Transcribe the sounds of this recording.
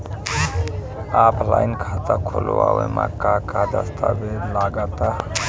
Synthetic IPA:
apʰlainkʰat̪akʰoloawemãkakad̪əst̪ʰabelaɡat̪a

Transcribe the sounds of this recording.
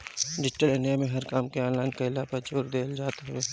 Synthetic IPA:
ɖɪd͡ʒʈəlenijamẽɦɐɾkaːmkeaːnlãːŋɡkɐɪlaːpɐt͡ʃoːɾd̪eːld͡ʒaːt̪ɦeː

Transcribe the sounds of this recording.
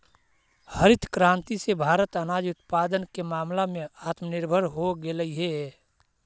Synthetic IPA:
həɾɪt̪ʰkɾãːnt̪isebʱaːɾət̪ənaːd͡ʒʊt̪paːd̪ənkemaːmlamẽaːt̪mənɪɾbʱəɾɦoɡeləiɦe

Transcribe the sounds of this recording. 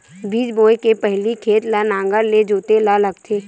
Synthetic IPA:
biːd͡ʒboːjkepɛɦlikʰeːt̪lanãːŋɡəɾled͡ʒoːt̪elaləɡ̚t̪ʰeː

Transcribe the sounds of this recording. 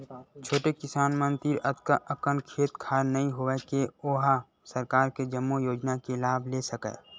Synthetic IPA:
t͡ʃʰoːʈekɪsaːnmə̃nt̪iɾɐt̪kaʔɐkənkʰeːt̪kʰaːɾnɐɦĩɦoʋekeoːɦa | sɐɾkaːɾked͡ʒɐmːujoːd͡ʒnakelaːbʱlesɐkɛ̰

